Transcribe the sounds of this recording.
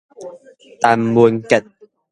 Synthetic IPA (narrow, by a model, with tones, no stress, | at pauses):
t̪a˨˩mːu˨˩ənkɛ˨˩t̪̚